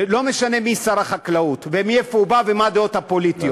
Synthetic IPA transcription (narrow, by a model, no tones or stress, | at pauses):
lo̞me̞ʃane̞misaɾaχaklaut̪vemiefoubavemad̪eo̞t̪hapo̞lit̪io